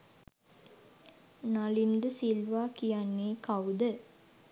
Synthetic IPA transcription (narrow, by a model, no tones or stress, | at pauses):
nalind̪əsilʋaːkijanːeːkawd̪ə